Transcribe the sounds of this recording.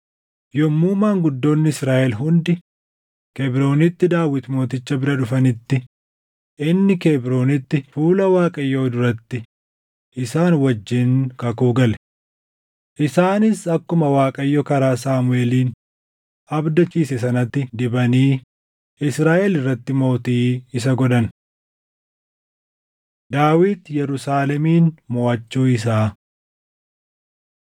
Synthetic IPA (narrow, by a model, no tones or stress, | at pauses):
jɔmːuːmaːŋɡʊd̪ːo̞ːnːɪɪsɾaːʔɛlɦʊnd̪ɪ | kɛbɾo̞ːnɪt̪ːɪd̪aːwːɪt̪mo̞ːt̪ɪt͡ʃːɐbɪɾɐᶑʊfɐnɪt̪ːɪ | ʔɪnːɪkebɾo̞ːnɪt̪ːɪfuːlɐwaːkʼɐjːoːd̪ʊɾɐt̪ːɪ | ʔɪsaːnwɐd͡ʒːɪnkɐkuːɡɐlɛ | ʔɪsaːnɪsɐkːʊmɐwaːkʼɐjːɔkɐɾaːsaːmʊeːliːn | ʔɐbd̪ɐt͡ʃiːsɛsɐnɐt̪ːɪd̪ɪbɐniː | ɪsɾaːʔɛlɪrːɐt̪ːɪmo̞ːt̪iːɪs̬ɐɡɔᶑ̪ɐn | d̪aːwiːt̪jɛɾʊsaːlɛmiːnmoːʔɐt͡ʃːuːɪs̬aː